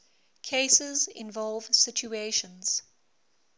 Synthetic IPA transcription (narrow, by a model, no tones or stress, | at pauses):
kʰesɪzɪ̰̃nvɔlˠvsɪt͡ʃueɪʃə̃nz̥